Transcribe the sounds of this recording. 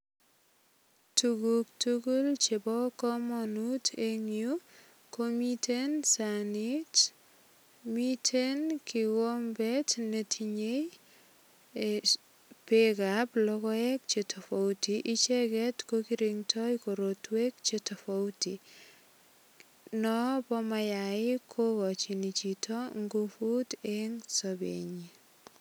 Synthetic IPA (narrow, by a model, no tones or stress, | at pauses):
tuɡuk̚tuɡult͡ʃebɔkɔmɔnutʰeŋju | komitʰensanit | mitʰenkiwombɛtnetʰiɲej | e | pekaplɔkɔɛk̚t͡ʃetʰɔfowtiʔit͡ʃɛkɛtkokiɾiŋtʰɔjkoɾotwek̚t͡ʃetɔfɔwti | nɔpɔmajaɪkʰokɔt͡ʃinit͡ʃitʰɔŋɡofuteŋsɔbḛɲi